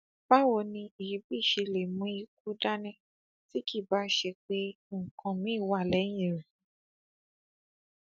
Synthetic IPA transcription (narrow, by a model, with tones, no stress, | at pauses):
ba˦wo˧nĩ˧i˨i˨˦bi˦˨ʃe˧le˨mũ˦i˧k̚u˦da˦nɛ̃˦ | ti˦ki˦˨ba˨˦ʃe˧k͡pe˦ | ŋ̩˨kʰã˧mĩ˨˦˨wa˦˨lɛ˨˦j̃ĩ˦˨ɾĩ˨